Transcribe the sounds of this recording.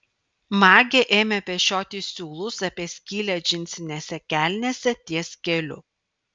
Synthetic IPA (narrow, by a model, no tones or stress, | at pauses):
mɑːɡʲeʔeːmʲɛpʲɛʃʲoːt̪ʲiːsʲuːlˠʊsɑpʲiɛsʲkʲiːlʲɛʒʲɪnʲsʲɪnʲeːsʲɛkʲæːˑlʲnʲiːsʲɛt̪ʲiɛsʲkʲɛlʲʊ̰